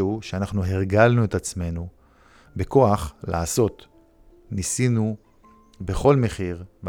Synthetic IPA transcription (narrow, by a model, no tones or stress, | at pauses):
uʃeanaχnuɦeʁɡalnue̞t̪at͡sme̞nu | beko̞aχla̰ːso̞t̪ | nisinu | be̞χo̞lme̞χiʁv